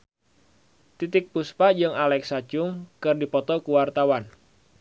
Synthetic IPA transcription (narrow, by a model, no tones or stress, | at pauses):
t̪it̪ɪk̚puspad͡ʒɨŋalɛksḁd͡ʒʊŋkɨrdipɔt̪ɔkuwart̪awan